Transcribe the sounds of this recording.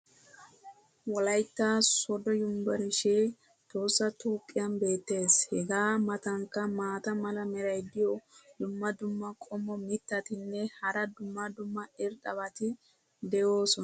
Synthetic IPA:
wɔlɐjt̪ːaːsɔd̪ɔjʊmbɐɾɪʃeː | t̪oːsːɐt̪uːkʼːɪjɐnbe̞ːt̪ːe̞ːshɛɡaːmɐt̪ɐŋkːɐmaːt̪ɐmɐlɐmɛɾɐjd̪ɪjɔd̪ʊmːɐd̪ʊmːɐkʼɔmːɔmɪt̪ːɐt̪ɪnːɛhɐɾɐd̪ʊmːɐd̪ʊmːɐɪɾɗɐβɐt̪ɪ | d̪ɛjo̞ːsɔn

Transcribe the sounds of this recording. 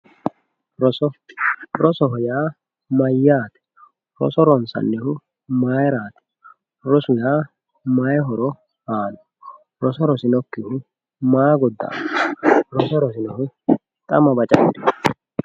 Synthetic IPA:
ɾɔsɔɾɔsɔɦɔjaː | mɐjːaːt̪ɛ̥ | ɾɔ̰sɔɾɔnsɐ̰nːɛhʊ | maːjɾaːt̪ɛ̥ | ɾɔsʊjaː | majɦɔɾɔ | haːnɔ̥ | ɾɔsɔɾɔsɪnɔkːɪhʊ | maːɡɔd̪ːa̰ː | ɾɔsɔɾɔs̬ɪnɔhʊ | t̪ʼɐ̰mɐbɐt͡ʃʼɐbɪd̪ɪ

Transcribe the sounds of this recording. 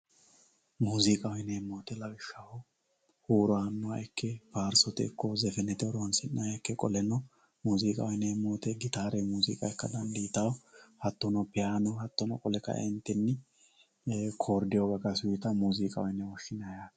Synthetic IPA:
muːzɪkʼɐwɪneːmoːt̪ɛlɐwɪʃːɐhɔ | huːɾɔanːɔwaɛkːɛbaːɾsɔt̪ɛ̰ːkːɔzɛfɛnɛt̪ɛɔɾɔnsɪnːɐjɛkːɛkʼɔlɛnɔ | muːzɪkʼɐ̰wɪneːmoːt̪ɛɡɪt̪aːɾɛmuːzɪ̰kʼɐɛkːɐd̪ɐnd̪iːt̪ɐwhɐt̪ːɔnɔpɛaːnɔhɐt̪ːɔnɔkʼɔlɛkːɐ̰ʔɛnt̪ːɛnːɪ | kʰoːɾd̪ɪjɔɡɐkɐsʊjɪt̪ɐmuːzɪkʼɐwɔɪnɛwɔʃːɪnɐjaː

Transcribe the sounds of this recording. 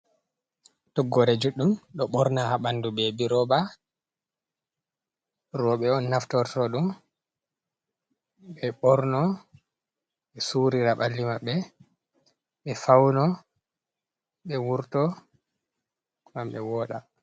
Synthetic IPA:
tɔɡːɔɾɛd͡ʒuɗːumɗɔɓɔɾnahaɓandubebiɾɔba | ɾɔɓɛɔnːaftɔɾtɔɗum | ɓɛɓɔɾnɔ | ɓɛsuɾiɾaɓalːimaɓːɛ | ɓɛfawnɔ | ɓɛwuɾtɔ | ŋamɓɛ̰wɔːɗa

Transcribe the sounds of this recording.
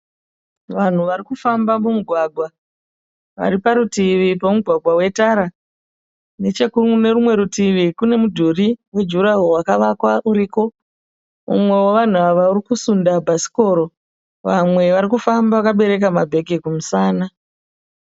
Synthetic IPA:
ʋan̤uʋaɾikufambamumuɡʱwaɡʱwa | ʋa̰ɾipaɾutiʋipomuɡʱwaɡwawe̞taɾa | ne̞t͡ʃe̞kune̞rumwe̞ɾutiʋikune̞mudʱuriwe̞d͡ʒuɾaurwakaʋakwaʔuɾiko̞ | mṵmwe̞woʋan̤uaʋaurikusundabʱasi̥ko̞ːɾo̞ | ʋamwe̞ʋaɾikufambaʋakaɓe̞ɾe̞kamabʱe̞ɡʱikumusaːna

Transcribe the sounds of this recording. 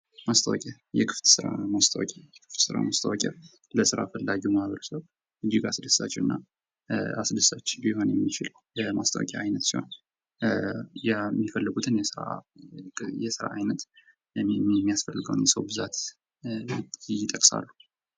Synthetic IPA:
mast̪ʰawɔkʼɛ | jɛkʰɨ̥ft̪sɨɾa̰mast̪ʰawɔ̰kʲʼɛjɛkʰɨ̥ft̪sɨɾa̰mast̪ʰawɔkʼɛ | ləsɨɾa̰fəlːaɡiumahβəɾsəw | ʔɨd͡ʒiɡasɨd̪ɨsːat͡ʃːɛwɨnːa | asd̪ɨsat͡ʃːbiho̞njɛmːit͡ʃɪl | jəmast̪ʰawɔ̰kʼjaʔajnət̪siho̞n | jmːifəlːɨɡut̪ʰɨnjɛsɨɾa̰ | jɛsɨɾa̰ʔajnət̪ | ɛmːijasfəlːɨɡə̰wnjɛsəwbɨzat̪ | jɪt̪ʼːəkʼsa̰lːu

